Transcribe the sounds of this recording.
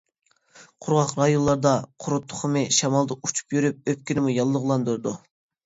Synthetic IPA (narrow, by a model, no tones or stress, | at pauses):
qʰʊɾʁɑqɾɑjonlˠɑɾd̪ɑqʰʊɾʊt̪ʰːʊ̥χʰmɨʃɑmɑlˠd̪ɑʔut͡ʃʰu̥pjyɾyp̚øp̚kʲinɪmujɑlˠːʊʁlˠɑnd̪uɾd̪u